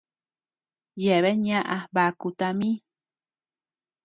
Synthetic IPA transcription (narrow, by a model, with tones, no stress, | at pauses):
je˨βe˦ɲã˦ʔa˧ba˨ku˧t̪a˧mĩ˦